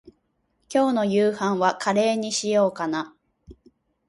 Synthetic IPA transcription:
kʲo̞ːno̞jɯːhãɰ̃βakʰaɾe̞ːɲ̟iɕijo̞ːkana

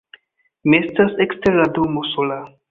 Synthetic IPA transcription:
miestaseksteɾladomosola

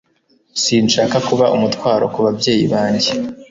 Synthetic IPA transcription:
siːnʃaːkakuβaʔumutwaːɾo̰kuβabɟe̞ːjiβaːɲɟe

